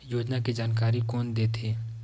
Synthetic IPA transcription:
joːd͡ʒnakid͡ʒaːnkaːɾikɔːnd̪eːt̪ʰeː

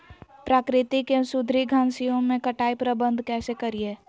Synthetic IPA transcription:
pɾaːkɾɪt̪ikesʊd̪ʱɾiɡʱãːnsijõmẽkɐʈaːipɾəbə̃nd̪ʱkɛːsekɐɾieː

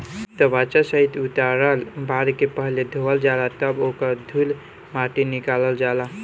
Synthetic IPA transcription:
t̪əbat͡ʃasəɦit̪ut̪aɾəlbaɾkepəɦled̪ʱoəld͡ʒalat̪əbokəɾd̪ʱul | maʈinikaləld͡ʒala

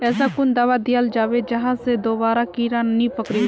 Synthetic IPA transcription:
ɛːsakʊnd̪aʋad̪ɪjəld͡ʒaːʋed͡ʒɐɦãsed̪oːbaːɾakiːɾanːĩpəkɾi

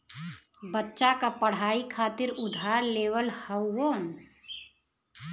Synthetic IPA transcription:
bətːʃakapəɽ̤aːikʰaːt̪ɪɾʊd̪ʱaːɾleːʋəlhəwwoːn

